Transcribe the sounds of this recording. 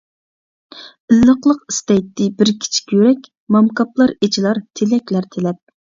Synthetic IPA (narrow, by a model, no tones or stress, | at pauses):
ɪlːəqlˠəqist̪ɛjt̪ːɪbɪɾkʲʰi̥t͡ʃʰi̥kʲjøɾɛkʲ | mɑmkɑplˠɑɾet͡ʃʰilˠɑɾt̪ʰelɛkʲlæɾt̪ʰelɛp̚